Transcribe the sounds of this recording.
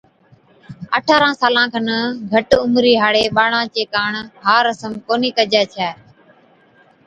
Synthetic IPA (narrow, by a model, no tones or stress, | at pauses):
ə̰ʈʰaːɾãːsaːlãːkʰənəɡʱəʈʊmɾiːɦaːɽeːɓaːɽãːt͡ʃeːkaːɳɦaːɾəsəmkoːniːkəd͡ʒɛːt͡ʃʰɛː